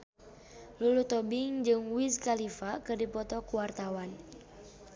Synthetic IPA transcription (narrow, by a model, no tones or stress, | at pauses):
lulut̪ɔbɪŋd͡ʒɨŋwiskalifakɨrdipɔt̪ɔkuwart̪awan